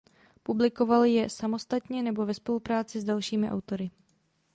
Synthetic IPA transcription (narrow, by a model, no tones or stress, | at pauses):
publɪko̞valjɛsamo̞st̪at̪ɲɛnɛbo̞vɛspo̞lupɾaːt͡sɪzdalʃiːmɪʔa̰wt̪o̞ɾɪ